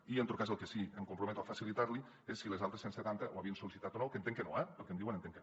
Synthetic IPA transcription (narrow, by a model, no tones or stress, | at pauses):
ient̪ot̪kazəlˠkesieŋkumpɾoumɛt̪uafasilit̪aɾli | esːilezalˠt̪ɾesenset̪ant̪əʔoaβiənsolisit̪at̪onowkent̪eŋkenoɛpelˠkemnd̪iwenent̪eŋken